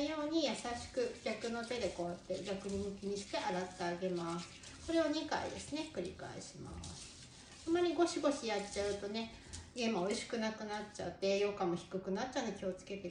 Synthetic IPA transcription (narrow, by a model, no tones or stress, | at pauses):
jo̞ːɲ̟ijasaɕi̥kɯ̟kʲakɯ̟no̞t̪e̞d̪e̞ko̞βat̪ːeɡʲakɯ̟ɲ̟imɯ̟kʲeɲ̟iɕi̥t̪e̞ʔaɾat̪ːeaɡe̞masɨ̥ | ko̞ɾe̞oɲ̟ika̰ḭd̪e̞sɨne̞kɯ̟ɾʲḭka̰ḛɕima̰sɨ̥ | amːaɾʲiɡo̞ɕiɡo̞ɕijatt͡ɕaɯ̟t̪o̞ne̞ | ɡẽ̞maoiɕi̥kɯ̟nakɯ̟natt͡ɕa̰t̪ːe̞jo̞kamoçi̥kɯ̟kɯ̟nat͡ɕːand̪e̞kʲʰio̞t͡sɨ̥ke̞t̪e